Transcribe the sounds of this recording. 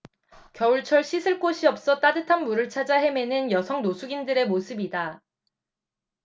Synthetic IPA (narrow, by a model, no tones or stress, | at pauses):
kjʌuɭt͡ɕʰʌɭɕ͈ʰisʰɯɭk͈oɕʰiʌp̚s͈ʌt͈adɯtʰanmuɾɯɭt͡ɕʰad͡ʑaɦe̞me̞nɯnjʌsʰʌŋnosʰuɡindɯɾe̞mosʰɯbida